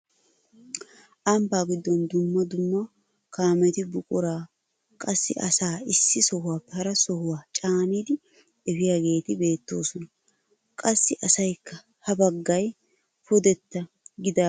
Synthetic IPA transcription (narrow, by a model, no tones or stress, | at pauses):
ʔɐmbaːɡɪd̪ːɔnd̪ʊmːɐd̪ʊmːɐ | kaːmɛt̪ɪbʊkʼʊɾaː | kʼɐsːɪʔɐsaːɪsːɪsɔhʊwaːpːɛhɐɾɐsɔhʊwaːt͡ʃʼaːniːd̪ɪ | ɛfɪjaːɡe̞ːt̪ɪbe̞ːt̪ːo̞ːsɔnɐ | kʼɐsːɪʔɐsɐjkːɐ | hɐbɐɡːɐj | fɔd̪ɛt̪ːɐ | ɡɪd̪a